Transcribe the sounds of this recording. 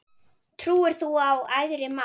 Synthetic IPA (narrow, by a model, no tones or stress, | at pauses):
t̪ʰɾuːɪɾ̥θuawajðɾɪma